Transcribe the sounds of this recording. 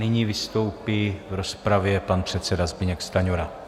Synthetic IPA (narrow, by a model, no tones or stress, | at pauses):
nɪɲiːvɪst̪o̞wpivɾospɾavjɛpanpr̝̥ɛt̪sɛdazbɪɲɛkst̪aɲuɾa